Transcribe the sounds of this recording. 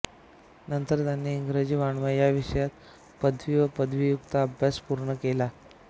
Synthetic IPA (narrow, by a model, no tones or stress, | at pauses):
nənt̪əɾt̪janːiːŋɡɾed͡ʑiːʋaɳʋəjaʋiʂjat̪̚ | pəd̪ʱʋiːʋəpəd̪ʱʋijukt̪aːbʱjaspuɾɳəkela